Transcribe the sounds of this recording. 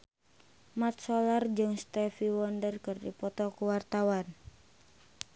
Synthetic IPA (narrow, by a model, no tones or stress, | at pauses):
mat̪̚sɔlard͡ʒɨŋst̪ɛfiwɔndərkɨrdḭpɔt̪ɔkuwart̪awan